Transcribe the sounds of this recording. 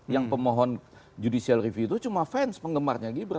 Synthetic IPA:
jaŋpəmoɦɔn | d͡ʒudisialrifut̪ut͡ʃumafɛnspəŋɡəmarɲaɡibəɾa

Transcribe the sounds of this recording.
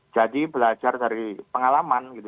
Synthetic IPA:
d͡ʒ̥adibəlḁd͡ʒardaɾipəŋalamanɡit̪u

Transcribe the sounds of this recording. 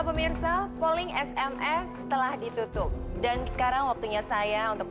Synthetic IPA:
pəmirsapolɪŋɛsɛmɛsət̪əlahdit̪ut̪ʊp̚dansə̥kaɾaŋwak̚t̪uɲasajaunt̪ʊk̚

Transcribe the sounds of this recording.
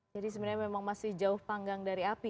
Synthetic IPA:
d͡ʒadis̬əmənɲamemaŋmasɪhd͡ʒaʊhpaŋɡaŋdaɾiapi

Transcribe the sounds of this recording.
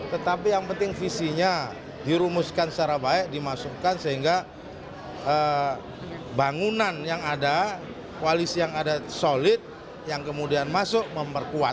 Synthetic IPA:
t̪ət̪apijaŋpənt̪ɪŋfisiɲa | diɾumʊskansət͡ʃaɾabaɛʔ̚dimasukansəɦiŋɡa | ə | baŋunanjaŋada | kualisijaŋadasolɪt̪̚ | jaŋkəmudianmasʊʔməmpərkua

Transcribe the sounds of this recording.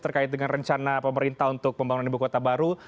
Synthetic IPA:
t̪ərkaɪt̪̚dəŋanrəɲt͡ʃanapəməɾint̪aɦunt̪ʊk̚pəmbaŋunanibukot̪abaɾu

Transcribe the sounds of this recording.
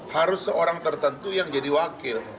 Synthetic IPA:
haɾʊsːəoɾaŋt̪ərt̪ənt̪ujaŋd͡ʒadiwakɪr

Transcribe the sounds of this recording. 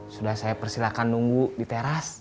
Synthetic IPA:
sudahsajapərsilakanːuŋɡudit̪eɾas

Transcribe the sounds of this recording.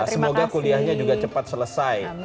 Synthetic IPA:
səmoɡakuliahɲad͡ʒuɡat͡ʃəpat̪̚sələsaj

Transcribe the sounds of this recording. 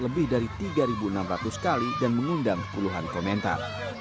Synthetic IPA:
ləbɪhdaɾit̪iɡaɾibuənamɾat̪uskalidanməŋundaŋə̥puluɦankomɛnt̪a̰r

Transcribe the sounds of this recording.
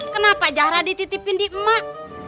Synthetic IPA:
kənapad͡ʒahɾadit̪it̪ipindiəmaʔ

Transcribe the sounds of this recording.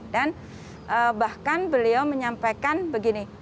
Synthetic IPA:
dan | ʔəbahkanbəliawməɲampajkanbəɡini

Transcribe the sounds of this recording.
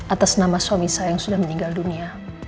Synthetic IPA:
ʔat̪asnamaswamisajaŋsudahməniŋɡaldunia

